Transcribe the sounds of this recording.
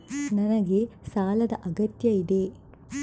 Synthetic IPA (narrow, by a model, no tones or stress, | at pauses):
nɐnɐɡe̞saːlɐd̪ɐʔɐɡɐt̪jɐid̪e̞